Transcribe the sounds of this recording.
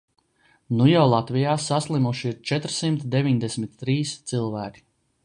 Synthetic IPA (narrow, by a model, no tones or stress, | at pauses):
nujawlˠat̪vijaːsaslˠimuʃiiɾt͡ʃɛt̪ɾsimt̪d̪evʲiɲd̪esmit̪ːɾiːst̪sɨlˠvæːkʲi̥